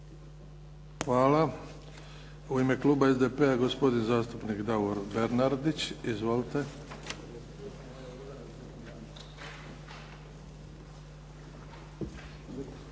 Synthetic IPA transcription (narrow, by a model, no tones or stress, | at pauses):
xʋaːla | uime̞klˠuːbaezd̪epeaɡospo̞d̪inzaːst̪upnikd̪aoɾbe̞ɾnaɾd̪it͡ɕizʋolt̪e̞